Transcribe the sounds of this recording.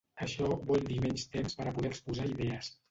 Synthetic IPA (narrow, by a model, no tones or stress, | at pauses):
əʃɔβɔld̪imɛɲst̪emspəɾəpuðɛrspuzaiðɛəs